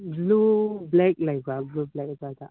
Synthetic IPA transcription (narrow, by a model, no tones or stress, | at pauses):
blublɛk̚lajk̚aɡlublɛk̚ajka